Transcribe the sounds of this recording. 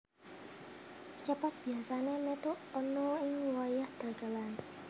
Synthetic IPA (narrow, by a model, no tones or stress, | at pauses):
t͡ʃapat̪̚b̥i̤asanemet̪uʔɔnɔɪŋwajahd̪̥a̤ɡ̥a̤lan